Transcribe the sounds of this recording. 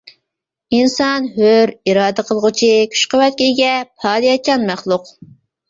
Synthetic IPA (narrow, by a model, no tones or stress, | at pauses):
insɑnɦøɾiɾɑːd̪ɨqʰəlˠʁʊt͡ʃʰikʲʰy̥ʃqəwɛt̪̚kʲijɡʲɛpʰɑːd̪ijɑt͡ʃʰɑnmæχlˠuʊq